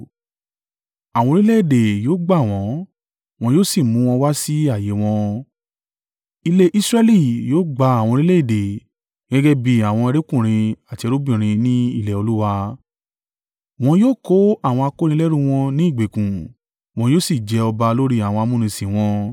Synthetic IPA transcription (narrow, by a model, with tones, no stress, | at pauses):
a˨w̃ɔ̃˧ɾi˦le˦i˦˨de˨joː˦ɡ͡ba˦˨w̃ɔ̃˨˦ | w̃ɔ̃˧joː˦si˦˨mũ˨˦w̃ɔ̃˧wa˦si˦a˦˨je˨˦w̃ɔ̃˧ | i˧le˦ʔi˦sɾɛ˦li˦˨joː˦ɡ͡ba˧a˨w̃ɔ̃˧ɾi˦le˦i˦˨de˨ | ɡɛ˦ɡɛ˦bi˦a˨w̃ɔ̃˧ɛ˧ɾe˦kũ˦˨ɾ̃ĩ˧a˨ti˨˧e˧ɾo˦bĩ˦˨ɾ̃ĩ˧nĩ˦ḭ˦˨lɛ˨o˧lu˦wa˧ | w̃ɔ̃˧joː˦ko˦a˦˨w̃ɔ̃˧a˧ko˦ɾ̃ĩ˧˦lɛ˦ɾũ˦w̃ɔ̃˧nĩ˦i˦˨ɡ͡be˨kũ˨ | w̃ɔ̃˧joː˦si˦˨d͡ʒɛ˨˦ɔ˧ba˧lo˦ɾi˦a˨wɔ̃˧a˧mũ˦˨ɾ̃ĩ˧sĩ˨w̃ɔ̃˧